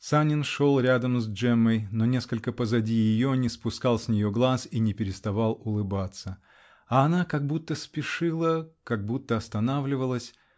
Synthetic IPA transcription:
sanʲɪnʂo̞lˠɾʲad̪əmzd͡ʐɛmːəjnonʲe̞skəlʲkəpəzɐdʲijɪjonʲɪspʊskalˠsʲnʲɪjoɡlˠasinʲɪpʲɪɾʲɪst̪ɐvalˠʊlˠɨbat̪sə | ɐːnakɐɡ̚but̪ːəspʲɪʂɨlˠəkaɡ̚but̪ːəɐst̪ɐnavlʲɪvəlˠəsʲ

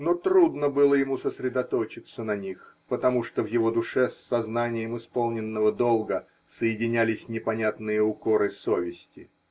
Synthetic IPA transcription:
no̞t̪ɾud̪nəbɨlˠəjɪmusəsɾʲɪd̪ɐt̪o̞t͡ɕɪt̪sənɐnʲixpət̪ɐmuʂt̪o̞vjɪvo̞d̪ʊʂɛsːɐznanʲɪjəmɨɪspolˠnʲɪnːəvəd̪olˠɡə | səjɪdʲɪnʲælʲɪsʲnʲɪpɐnʲat̪nɨjəʊko̞ɾɨso̞vʲɪsʲtʲɪ

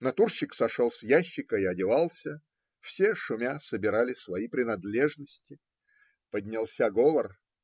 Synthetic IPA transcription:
nɐt̪urɕːɪksɐʂolˠsʲjæɕːɪkəɪɐdʲɪvɑlˠsʲə | fsʲeʂʊmʲasəbʲɪɾalʲɪsvɐipɾʲɪnɐd̪lʲeʐnəsʲtʲɪ | pədʲnʲɪlˠsʲaɡovər

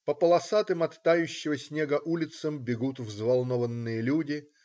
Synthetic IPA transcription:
pəpəlˠɐsat̪ɨmɐt̪ːajʉɕːɪvəsʲnʲeɡəʔulʲɪt̪səmbʲɪɡut̪vzvalˠnovənːɨjəlʲudʲɪ

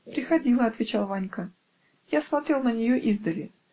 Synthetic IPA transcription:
pɾʲɪxɐdʲilˠəɐt̪vʲɪt͡ɕalˠvanʲkə | jasmɐt̪ɾʲelˠnənʲɪjoʔizd̪əlʲɪ

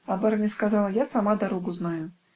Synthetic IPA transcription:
abaɾɐnʲɪskazalˠəjasamad̪aɾoɡʊznajʊ

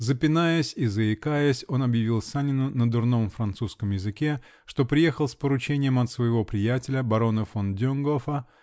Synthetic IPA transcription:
zəpʲɪnajəsʲizəɪkajəsʲo̞nɐbjɪvʲilˠsanʲɪnʊnəd̪ʊrnomfɾɐnt̪suskəmjɪzɨkʲe̞ | ʂt̪o̞pɾʲɪje̞xəlˠspəɾʊt͡ɕenʲɪjəmɐt̪svəjɪvo̞pɾʲɪjætʲɪlʲəbɐɾo̞nɨfondʲonɡofə

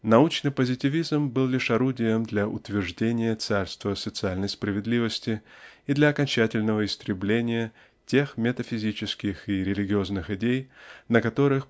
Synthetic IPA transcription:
nɐut͡ɕnɨjpəzʲɪtʲɪvʲizmbɨlˠlʲɪʂɐɾudʲɪjəmd̪lʲɐʔʊ̰t̪vʲɪrʐdʲenʲɪjət̪sarst̪vəsət̪sɨalʲnəjspɾəvʲɪd̪lʲivəsʲtʲɪid̪lʲɐɐkɐnʲt͡ɕætʲɪlʲnəvəɪst̪ɾʲɪblʲenʲɪjə | tʲe̞xmʲɪt̪əfʲɪzʲit͡ɕɪskʲɪxɪɾʲɪlʲɪɡʲɪo̞znɨxɪdʲejnəkɐt̪o̞ɾɨx

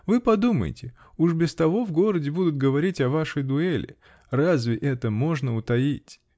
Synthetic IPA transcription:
vɨpɐd̪umə̰jɪ̰tʲɪ | uʂbʲɪst̪ɐvo̞vɡo̞ɾədʲɪbud̪ʊt̪̚ɡəvɐɾʲitʲɐvaʂɨjd̪ʊelʲɪ̰ | razvʲɪʔɛt̪əmoʐnəʊt̪ɐitʲ

